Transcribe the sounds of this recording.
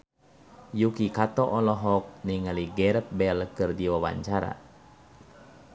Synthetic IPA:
jukikat̪ɔʔɔlɔɦɔk̚niŋaliɡɛɾəp̪̚bɛlkɨrdiwawa̰ɲt͡ʃaɾa̰

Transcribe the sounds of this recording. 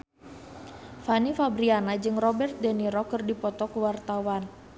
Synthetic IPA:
fanifabɾianad͡ʒɨŋrɔbɛrt̪̚dɛniɾɔkɨrdipɔt̪ɔkuwart̪awan

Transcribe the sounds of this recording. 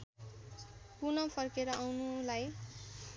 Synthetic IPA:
kunʌpʰʌrkeɾʌʔawnulaj

